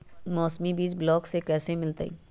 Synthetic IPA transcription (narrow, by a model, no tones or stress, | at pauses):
mɔːsmibiːsblɔːksekɛːsemɪlt̪aḭː